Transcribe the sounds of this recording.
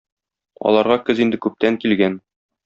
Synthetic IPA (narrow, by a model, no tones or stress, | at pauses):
ɒ̰lˠɑɾʁɑkɘzind̪ɘkʉp̚t̪æŋkilɡæn